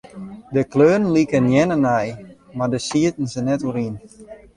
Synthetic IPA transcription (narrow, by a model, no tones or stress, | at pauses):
dəkløːnn̩likənjɛnənɛj | mardəsiətən̩sənɛtuɾin